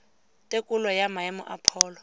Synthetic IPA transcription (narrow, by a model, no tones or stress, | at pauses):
tʼekʼulɔjamaɛmʊ̰ʔa̰pʰɔːlɔ